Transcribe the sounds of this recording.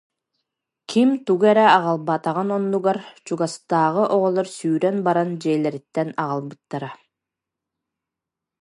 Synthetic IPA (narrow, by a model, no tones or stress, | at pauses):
kʰimt̪uɡɛɾɛɑʁɑlˠbat̪aʁanɔnːuɡaɾt͡ɕuɡast̪aːʁɯʔɔʁɔlˠɔɾsyːɾɛnbaɾand͡ʑɛjlɛɾit̪ːɛnɑʁalˠbɯt̪ːaɾa